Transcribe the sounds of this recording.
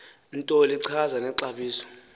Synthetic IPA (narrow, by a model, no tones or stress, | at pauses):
intʼɔliǀʰazanɛǀaɓiːsɔ̥